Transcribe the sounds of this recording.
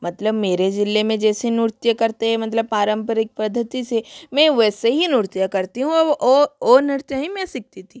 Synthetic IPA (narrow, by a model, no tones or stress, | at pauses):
mɐt̪ləbmeːɾed͡ʒɪlːemẽd͡ʒɛːsenʊɾt̪jakɐɾt̪eɦɛ̃mɐt̪ləb̚paːɾə̃mpəɾɪk̚pɾɐd̪ʱːət̪isemɛ̃ʋɛːseɦinʊɾt̪jakɐɾt̪iɦũɔɔːɔːɾnɪɾt̪jaɦimɛ̃sɪk̚t̪it̪ʰi